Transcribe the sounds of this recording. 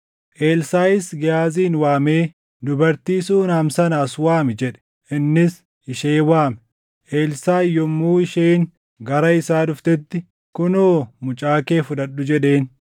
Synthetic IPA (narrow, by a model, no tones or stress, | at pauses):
ʔeːlsaːjɪsɡɪjaːziːnwaːme̞ː | d̪ʊbɐɾt̪iːsuːnaːmsɐnɐːswaːmɪd͡ʒɛᶑɛ̥ | ʔɪnːɪs | ɪʃeːwaːmɛ | ʔeːlsaːjɔmːuːɪʃeːn | ɡɐɾɐɪsaːdʊft̪ɛt̪ːɪ | kʊnoːmʊt͡ʃʼaːkeːfʊᶑ̪ɐᶑːʊd͡ʒɛᶑe̞ːn